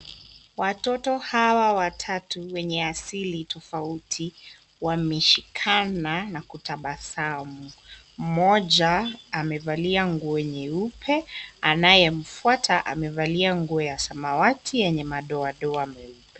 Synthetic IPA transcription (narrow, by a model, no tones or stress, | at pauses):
watɔtɔhawawatʰatuwɛɲɛasilitɔfautʰi | wamɛʃikʰananakutʰaɓasamu | m̩mɔʄaːmɛvaliaŋɡuɔɲɛupʰɛanajɛm̩fuatʰaʔa̰mɛvaliaŋɡuɔjasamawatʰijɛɲɛmaɗɔaɗɔamɛupɛ